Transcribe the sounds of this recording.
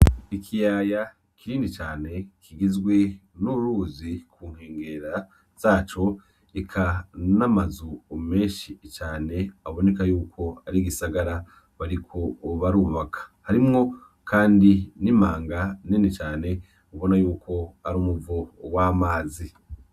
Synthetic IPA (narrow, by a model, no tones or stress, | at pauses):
ikʰijaːja | kiɾiːndit͡ʃaːne̞kʰiɡizɡwe̞nuɾuzikʰuːŋheːŋɡe̞ɾa | z̥aːt͡ʃo̞ | ikʰanamazuome̞ːʃit͡ʃaːne̞aβo̞ne̞kajuːkʰo̞aɾiɡisaɡaɾa | βaɾikʰo̞βaɾuːβakʰḁhaɾimŋo̞ | kʰaːndinimaːŋɡaninit͡ʃaːne̞ | uβo̞najuːko̞aɾuːmuvowaːmaːzi